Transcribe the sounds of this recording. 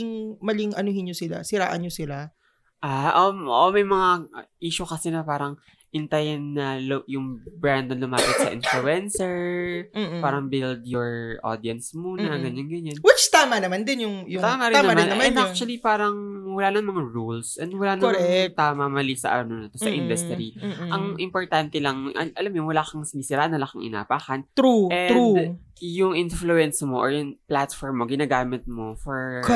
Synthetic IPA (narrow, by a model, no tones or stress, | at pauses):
ɪŋmɐlɪŋʔɐnohɪnɲosɪla̰sɪɾa̰ːʔɐnɲjosɪla | ʔaʔoʔomɐjmɐŋaʔiːʃʊkɐsɛnɐpaːɾɐŋ | ʔɪnt̪ɐjɪnːɐljʊŋbɹand̪ɐnlʊmaːpɪt̪sɐ̰ʔɪ̰nfluɛnsɛɹ | paːɾɐŋbɪld̪̚jɔɹʔo̰d̪iɐnsmuːnɐɡɐɲanɡɐɲanwɪt͡ʃt̪aːmɐnɐmand̪ɪnjʊŋjʊt̪aːmaɾɪnːɐmnmɛnd̪ak̚t͡ʃʊwɐlipaːɾɐŋwɐlaːnɐŋmɐŋaɹulsʔɛnd̪wɐlaːnɐat̪aːmɐmɐlisɐ̰ʔɐ̰nonɐt̪osɐʔɪnd̪ɐst̪ɾiʔɐŋʔɪmpoɹt̪ant̪ɛlɐŋʔɐ̰ʔɐlamjowɐlaːkɐŋsɪmisɪɾaːʔɐnːɐlaːkɐŋʔɪ̰na̰ːpaːkɐnt̪ɾuɛu | jʊŋʔɪnfluɛnsmoʔoɹjʊŋplat̪fɔɹmːoɡɪnaːɡaːmɪt̪̚mo̞fɔɹ